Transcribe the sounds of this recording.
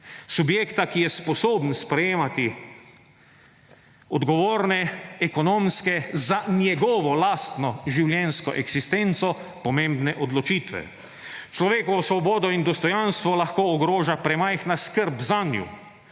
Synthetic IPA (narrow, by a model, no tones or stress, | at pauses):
subjeːkt̪akijɛspɔsoːbnspɾɛjeːmat̪i | ɔd̪ɡɔʋoːɾnɛɛkɔnomskɛzanjɛɡɔːʋɔlast̪nɔʒiwljɛnskɔʔɛɡsist̪ent̪sɔpɔmẽmbnɛʔɔd̪lɔt͡ʃiːt̪ʋɛ̰ | t͡ʃlɔʋeːkɔʋɔsʋɔbɔːd̪ɔind̪ɔst̪ɔjanst̪ʋɔlaxkoːɡɾoːʒapɾɛmajxnaskəɾbzanjṵ